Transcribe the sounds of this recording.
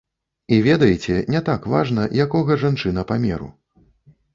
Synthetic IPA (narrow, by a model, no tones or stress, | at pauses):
ivʲɛd̪ɐjit͡sʲɛnʲɛt̪akva̰ʐn̪ɐjakɔɣɐʐant͡ʂɨnɐpamʲɛ̰ɾṵ